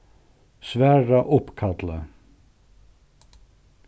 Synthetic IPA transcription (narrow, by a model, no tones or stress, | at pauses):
sʋæːɹɑʔʊpkʰɑd̪lə